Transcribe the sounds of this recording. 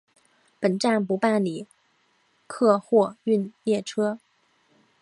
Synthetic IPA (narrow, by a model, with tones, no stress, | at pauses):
pə˨˩nʈ͡ʂa˥˩npu˧˥pa˥˩nli˨˩˦ | kʰɤ˥˧xwɔ˥˧y˥˧njɛ˥˩ʈ͡ʂʰɤ˥